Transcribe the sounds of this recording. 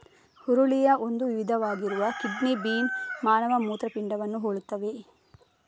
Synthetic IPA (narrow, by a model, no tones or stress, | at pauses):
huɾuɭijɐʔo̞nd̪uʋiʋid̪ʱɐʋaːɡiɾuʋɐkiɖnibiːnmaːnɐʋɐmuːt̪ɾɐpiɳɖɐʋɐnːuɦoɭut̪ːɐʋe̞